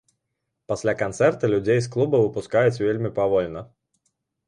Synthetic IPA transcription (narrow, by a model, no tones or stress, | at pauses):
pasʲlʲakant̪sɛrt̪ɐlʲud͡zʲejs̬klˠubɐvɨpuskajut͡sʲvʲelʲmʲipavɔlʲnɐ